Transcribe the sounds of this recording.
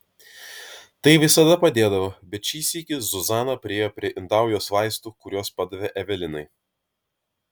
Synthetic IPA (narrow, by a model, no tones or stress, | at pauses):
t̪ɐɪʋʲɪsɐd̪ɐpɐd̪ʲeːd̪ɐʋobʲɛt̪t͡ʃʲiːsʲiːkʲɪzʊzɑːnɐpʲɾʲɪeːjoːpʲɾʲiɛʔɪnd̪ɑˑʊjoːsʋɑɪst̪uːkʊɾʲoːspɑd̪ɐʋʲɛʔɛʋʲɛlʲɪnɐɪ